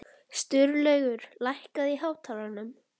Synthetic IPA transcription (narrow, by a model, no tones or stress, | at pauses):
st̪ʏɾlœːɥɣʏɾ̥lajhkaðiɦaːwt̪ʰaːlanʏm